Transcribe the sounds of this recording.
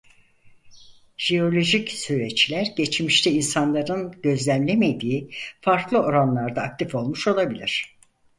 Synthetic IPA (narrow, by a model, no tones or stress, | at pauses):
ʒ̥eo̞lʲo̞ʒicsyɾet͡ʃlʲæɾɟet͡ʃmiʃt̪ʰɛinsanlˠaɾɯnɟø̞zlʲæmlʲemed̪iːfaɾklˠɯo̞ɾanlˠaɾd̪aːk̚t̪ʰifo̞lˠmuʃo̞lˠabilʲiɾ̥